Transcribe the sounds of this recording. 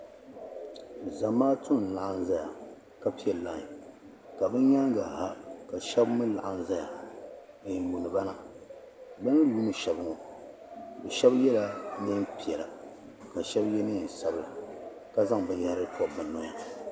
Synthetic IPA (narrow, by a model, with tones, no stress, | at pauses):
za˨maː˦tʊ˦n˨la˨ʔa˦n˦za˦ja˨ | ka˦pi˦ɛ˨lla˨ŋ˨ | ka˨bɨ˦ɲa˦ŋ˦ɡa˨ɦa˦ka˨ʃɛ˦bmɨ˦la̰˨ʔa˨n˦za˦ja˨ | ɨ˨mu˨nɨ˨ba˦na˦ | bɨ˦nɨ˦juː˦nɨ˦ʃɛ˨bɨ˦ŋɔ˨ | bɨ˨ʃɛ˦bjɛ˦la˨nɨ˦mpi˨ɛ˨la˨ | ka˨ʃɛ˦bjɛ˦nɨ˦˨sa˦bla˨ | ka˦za˦ŋbɨ˦n˦ja˦hɾɨ˦tʰɔ˦˨bɨ˨nnːɔ˨ja˨